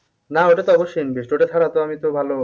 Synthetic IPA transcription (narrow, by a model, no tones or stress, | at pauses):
naoʈat̪oɔboʃːinbiʃʈooʈat̪ʰaɽat̪oamit̪obʱalo